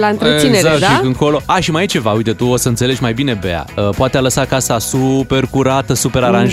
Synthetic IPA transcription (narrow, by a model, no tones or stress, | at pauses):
laɨnɾesinezakt̪ikɨŋko̞lo̞aʃimajit͡ʃe̞vaujt̪et̪uo̞səɨnsele̞d͡ʒʲmajbine̞bea̰əpoat̪ealəsakasasupe̞rkuɾat̪əsupe̞ɾaɾanʒ